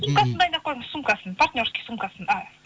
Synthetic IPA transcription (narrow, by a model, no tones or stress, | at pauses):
sumkasənd̪ɑjnd̪ɑp̚qʰːojməssːumkasənpart̪ʲnʲorskʲisumkasəna